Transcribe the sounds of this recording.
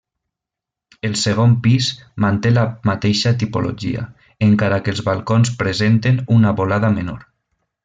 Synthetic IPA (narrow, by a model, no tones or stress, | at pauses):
əlˠsəɣ̞ompizmant̪elamat̪eʃat̪̬ipo̰lʔo̰ʒḭa̰ | eŋkaɾakəlˠzβalˠkonspɾəzent̪enunaβolaðameno̰ɾ